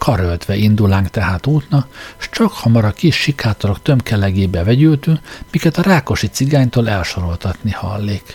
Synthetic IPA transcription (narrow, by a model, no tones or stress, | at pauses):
kʰɒɾølt̪ʋɛʔind̪ulaːŋkt̪ɛɦaːt̪uːt̪nɒkʃt͡ʃɒkhɒmɒɾɒkiʃːikaːt̪oɾo̞kt̪ø̞mkɛlɛɡeːbɛvɛɟylt̪yŋkmikɛt̪ɒɾaːko̞ʃit̪siɡaːɲt̪oːlɛlʃo̞ɾo̞lt̪ɒt̪nihɒ̰lːeːk